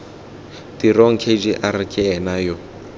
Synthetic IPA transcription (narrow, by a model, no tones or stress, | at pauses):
diɾɔŋ̩kʰed͡ʒiʔaɾikʼɪɛnajɔ